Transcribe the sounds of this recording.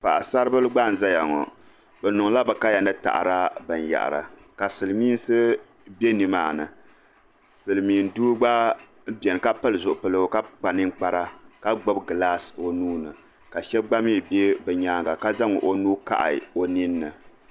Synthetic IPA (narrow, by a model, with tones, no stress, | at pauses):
pa˨ʔa˨sa˦ɾɨ˦bɨ˦lɨ˦ɡ͡ba˦˨n̩˨za˦ja˨ŋɔ̰˨ | bɛ˨nʊ˨ŋla˦bɛ˨ka˦ja˨nɨ˦ta̰˨ʔa̰˨ɾa˦bɨ˨n˨ja̰˨ʔa̰˨ɾa̰˨ | ka˨sɨ˨lɨ˨miː˦n˦sɨ˦ | be˦ni˦maː˨nɨ̰˨ | sɨ˨lɨ˨miː˨n̩˨duː˦ɡ͡ba˦ | bʲɛ˨n˨ka˦pɨ˦lɨ˨zʊ˨ʔʊ˨pɨ˨lɨ˨ɡka˦k͡pa˨nɨ˦ŋ˦k͡pa˦ɾa˦ka˦ɡ͡bo˦bɡɨ˨laː˦so˨nuː˦nɨ˨ | ka˨ʃɛ˦bɡ͡ba˦miː˦˨be˦bɨ˨ɲaː˦ŋɡa˨ka˦za˦ŋɔ̰˨ʔo˦nuː˦ka̰˦ʔa̰˨o˨ni˦nːɨ˨